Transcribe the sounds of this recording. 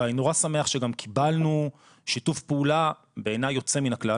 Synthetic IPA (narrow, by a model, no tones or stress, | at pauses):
ainoʁasame̞aχʃeɡamkʰibalnu | ʃitufpeula | beːnajːo̞t͡se̞minakla